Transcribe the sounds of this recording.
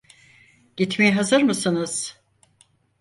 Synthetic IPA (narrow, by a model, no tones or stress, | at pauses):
ɟ̥it̪mejiɦazɯɾmɯsɯnɯz̥